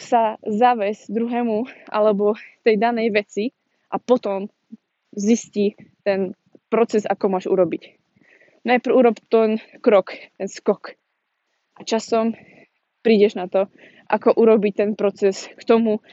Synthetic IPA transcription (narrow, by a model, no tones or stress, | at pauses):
sazaʋɛzd̪ɾuɦɛːmuʔa̰lɛbɔt̪ɛjd̪anɛjʋɛt͡si | ʔapɔt̪ɔm | ziscit̪ɛn | pɾɔt͡sɛza̰kɔmʊaʒṵɾɔbic | najpɾ̩uɾɔpt̪ɛnkɾɔkt̪ɛnskɔk | ʔat͡ʃasɔm | pɾiːɟɛʒnat̪ɔ | ʔa̰kɔʔuɾɔbic̚t̪ɛnpɾɔt͡sɛskt̪ɔmu